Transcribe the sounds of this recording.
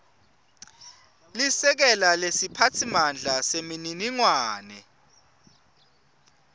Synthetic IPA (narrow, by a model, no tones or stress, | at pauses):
lisɛk̬ɛlalesipʰatʰimand͡ɮʱasemininiŋwaːnɛ̰